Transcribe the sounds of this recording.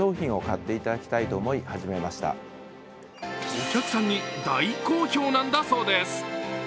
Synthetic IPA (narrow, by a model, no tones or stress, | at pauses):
o̞ːçĩɰ̃o̞kat̪ːe̞it̪ad̪akʲi̥t̪ait̪o̞ːmo̞ihaʑime̞maɕi̥t̪a̰ | o̞kʲakɯ̟sãɲ̟ːid̪aiko̞ːço̞ːnãnd̪aso̞ːd̪e̞sɨ̥